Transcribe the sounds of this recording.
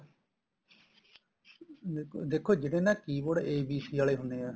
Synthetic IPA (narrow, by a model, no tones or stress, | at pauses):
d̪ekʰod͡ʒeɽẽnaːkiːboɽʔeːbiːsiaɭeɦʊnea